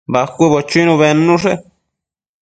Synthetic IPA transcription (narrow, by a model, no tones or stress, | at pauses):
βakʷiβot͡ʃuinũβenũʐe